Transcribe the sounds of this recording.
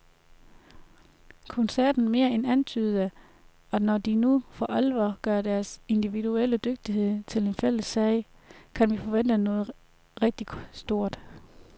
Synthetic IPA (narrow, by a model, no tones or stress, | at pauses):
kʰonsæɐd̥n̩me̝ːɐenænt͡sʰyːð̩ˠə | ɒnɒd̥inufɒ̽ʔælʋɐɡ̥ɶɐd̥æɐse̝nd̥iʋiduel̰əd̥øɡ̥̚d̥iɦe̝ð̰ˠt͡sʰe̝le̝nfel̰əsːɛɪ | kʰænʋifɒ̽ʋen̰d̥nɔːð̩ˠ | ʁɛɡ̥̚d̥isd̥o̝ɐ̰d̥